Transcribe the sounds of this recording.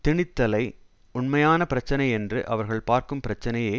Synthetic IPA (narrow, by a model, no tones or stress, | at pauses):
t̪ɪɳɪt̪ːɐlɐɪ | ʊɳmɐjaːnɐpɪɾɐt͡ʃːɐnɐɪɛndrɯʔɐʋɐɾɣɐɭpaːɾkɯmpɪɾɐt͡ʃːɐnɐjeː